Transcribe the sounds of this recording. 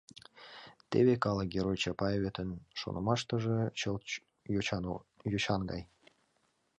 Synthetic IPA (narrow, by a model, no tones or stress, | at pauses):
t̪eβekɑləɡʲeɾojt͡ɕɑpɑjβʲet̪ʰənʃo̰nəmɑʃt̪əʒĕt͡ɕəl | jot͡ɕɑnɡɑ̰j